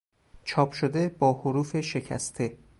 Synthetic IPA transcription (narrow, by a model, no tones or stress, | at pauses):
t͡ʃʰɒːpʰʃod̪e̞bɒːhoɾuːfe̞ʃe̞cʰæ̰st̪ʰe̞